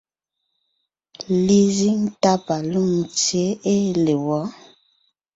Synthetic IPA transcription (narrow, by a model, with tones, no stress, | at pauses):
li˦zi˦ŋ˦ta˦pa˨lu˦˨ŋt͡sje˨˦e˦le˨wɔ˨˦